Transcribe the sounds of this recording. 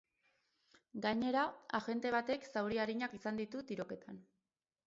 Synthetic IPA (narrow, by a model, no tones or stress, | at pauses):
ɡaɲe̞ɾaaʝe̞nt̪e̞β̞at̪e̞ksawɾiaɾiɲakisand̪it̪ut̪iɾo̞ke̞t̪ʰan